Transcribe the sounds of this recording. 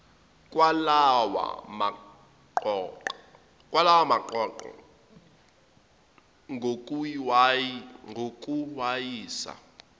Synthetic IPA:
kʼwalawa̰ma | ǃ | kwalawamaǃɔǃɔ̰ | ŋʱokʼuwaŋɡʱokʼuwajiːsa̰

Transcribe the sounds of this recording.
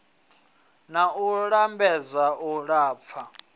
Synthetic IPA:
nauɺambɛzauɺaːp̪fʰa

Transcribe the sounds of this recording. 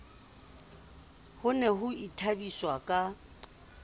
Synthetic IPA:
hʊnɛɦʊitʰabiswakʼa

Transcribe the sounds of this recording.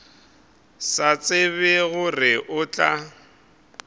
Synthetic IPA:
sat͡sʼɪβɛɣʊrɪʔʊt͡ɬʼa

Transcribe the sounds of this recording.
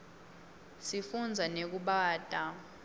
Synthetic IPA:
sifund͡zʱanek̬uɓaːd̥ʱʼa

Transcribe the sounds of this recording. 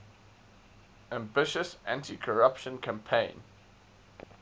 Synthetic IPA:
ãmbɪʃəsãntʰikʰəɹapʃə̃nkʰãmpʰẽɪ̃n

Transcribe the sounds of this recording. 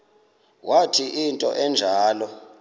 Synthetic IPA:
wʔatʰiʔintʼɔ̰ʔɛnd͡ʒʱaːlɔ

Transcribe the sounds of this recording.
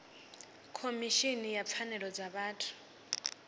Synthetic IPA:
kʰomiʃinijap̪fʰanɛɺɔd͡zaɓaːtʰu̥

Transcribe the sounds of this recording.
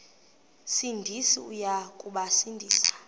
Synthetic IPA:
sindʱisiujakʼuɓasindʱiːsḁ

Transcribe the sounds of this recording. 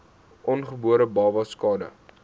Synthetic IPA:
ʔɔnχəbuəɾəbɑːvɐskɑːdə̰

